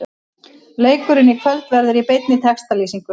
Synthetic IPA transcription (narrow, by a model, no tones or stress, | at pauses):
leːjkʏɾɪnɪkʰvœlt̪vɛɾðʏɾipejt̪nɪt̪ʰɛkst̪aliːsiŋkʏ